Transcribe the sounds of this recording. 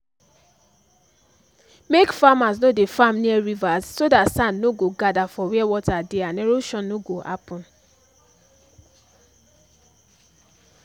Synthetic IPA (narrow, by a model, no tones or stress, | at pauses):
mekfamasnodefãmniɛɹivassodatsãnnoɡoɡadafɔwiɛwɔtadeãnɛɹoʃɔ̃nnːoɡoha̰pɔ̃n